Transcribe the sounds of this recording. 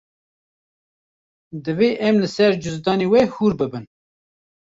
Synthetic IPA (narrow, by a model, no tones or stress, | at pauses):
d̪ɨveːʔɛmlɨsɛɾd͡ʒʊzd̪ɑːneːwɛhuɾbɨbɨn